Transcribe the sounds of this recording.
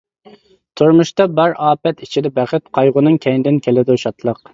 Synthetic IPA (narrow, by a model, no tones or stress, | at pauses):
t̪ʰuɾmuʃt̪ɑbæɾɑːpɛt̪it͡ʃʰid̪ɛbæχɪt̪̚qʰɑjʁʊnɨŋkʲʰɛŋd̪ɪnkʲʰelɪd̪uʃɑt̪lˠəq